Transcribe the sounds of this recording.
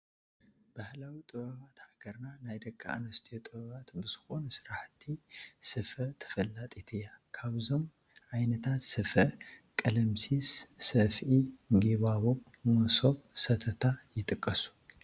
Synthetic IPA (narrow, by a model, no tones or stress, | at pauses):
b̥ahlawit̪ʼɨβɐβat̪haɡ̥ɐɾnanajd̪ɐkʼːa̰a̰nɐst̪ʰiot̪ʼɨβɐβat̪bɨz̥ɨxo̞nusɨɾaħt̪ʰːisɨfɐt̪ʰɐ̥fɐlːat̪ʼit̪ʰɐja | kʰaβzo̞m | ʕajnɐt̪ʰat̪sɨfɐ | kʼɐlɐmsissɐfʔiɡiβaβo | mɐso̞βsɐt̪ʰɐt̪ʰajɪt̪ʼɨkʼːɐsu̥